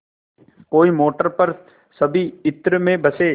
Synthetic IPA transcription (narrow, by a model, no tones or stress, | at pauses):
koːimoːʈəɾpɐɾ | sɐbʱiɪt̪ɾəmẽbɐseː